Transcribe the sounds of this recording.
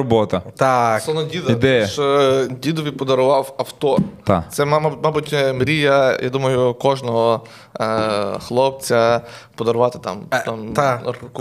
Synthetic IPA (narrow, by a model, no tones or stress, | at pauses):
ɔbɔt̪ɐt̪asɔnɔd̪ʲid̪id̪ɛjɐʃɔd̪ʲid̪ɔʋipɔd̪ɐɾʊvafɐft̪ɔa̰sɛmamabɔt͡ʃʲɛmɾijɐja̰d̪umɐjukɔʒnɔɦɔ | xlˠɔp̚t͡s̪ʲapɔd̪ɐɾuvat̪ɛ̥t̪a̰mt̪amk